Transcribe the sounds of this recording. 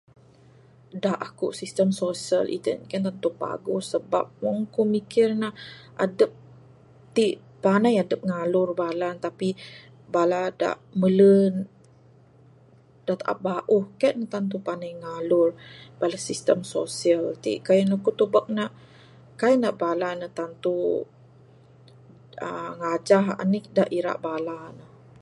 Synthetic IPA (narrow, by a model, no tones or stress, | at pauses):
daʔakuʔsist̪əmsosiəlʔḭt̪ə̰nkɛnt̪ant̪upa̰ɡʊsəba̰p̚waŋkumikɪrnahʔadəp̚ | t̪iʔ | panajadəp̚ŋalʊrbalant̪api | balada̰ʔmələn | daʔt̪aʔa̰ʔ̚baʔuhkaʔnat̪ant̪upanajŋalʊrbalasist̪əmsosiəlt̪ḭʔkajənəkut̪ubək̚naʔ | kajəʔnaʔbalanət̪ant̪u | ə̰ŋad͡ʒaɦa̰nidaʔiɾa̰ʔbalanəh